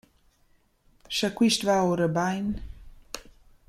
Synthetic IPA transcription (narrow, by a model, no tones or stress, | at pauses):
ʃakwiʃt̪vaoɾəbajn